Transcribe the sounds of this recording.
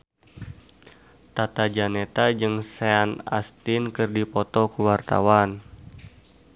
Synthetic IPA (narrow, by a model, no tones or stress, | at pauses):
t̪at̪ad͡ʒanet̪ad͡ʒɨŋseana̰st̪ɪnkɨrdipɔt̪ɔkuwart̪a̰wan